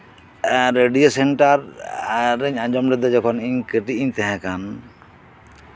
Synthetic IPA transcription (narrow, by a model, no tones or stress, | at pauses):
ɾeɖijosɛɳʈaɾ | ɾɛɲãd͡ʒɔmɾɛd̪ɔd͡ʒɔkʰɔniɲkəʈiiɲt̪ɛɦɛ̃kan